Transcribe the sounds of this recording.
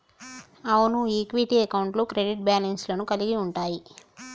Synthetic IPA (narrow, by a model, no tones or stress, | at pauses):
ɐʋunuiːkʋiʈiɐkɐwɳʈloːkɾeɖiʈ̚baːlɐnslɐnukɐliɡiuɳʈaːji